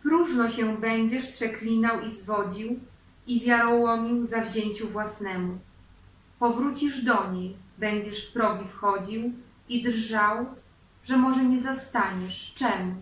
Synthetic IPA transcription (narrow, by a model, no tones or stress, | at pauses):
pɾuʐnɔɕɛbɛɲd͡ʑɛʂpʂɛklʲinawizvɔd͡ʑiw | ivʲjaɾɔwɔmʲiwzavʑeɲt͡ɕuvwasnɛmu | pɔvɾut͡ɕiʐd̪ɔɲejbɛɲd͡ʑɛʂfpɾɔɡʲifxɔd͡ʑiw | id̪ɾʐaw | ʐɛmɔʐɛɲɛzast̪aɲɛʂt͡ʂɛmu